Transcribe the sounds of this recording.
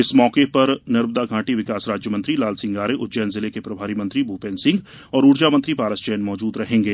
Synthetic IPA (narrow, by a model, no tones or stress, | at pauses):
ɪsmɔːkepɐɾnɐɾməd̪aɡʱãːʈiʋɪkaːsɾaːd͡ʒjəmɐ̃nt̪ɾilaːlsɪ̃ŋɡaːɾeʔʊd͡ʒɛːnzɪlekepɾɐbʱaːɾimɐ̃nt̪ɾibʱuːpẽːnsɪ̃ŋɡ | ɔːɾuːɾd͡ʒaːmɐ̃nt̪ɾipaːɾəst͡ʃɛːnmɔːd͡ʒuːd̪ɾɐɦẽːŋɡeː